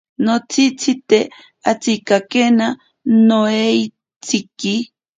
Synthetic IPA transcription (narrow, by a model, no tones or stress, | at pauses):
not͡sʰit͡sʰit̪e | at͡sikakena | noej | t͡sʰiki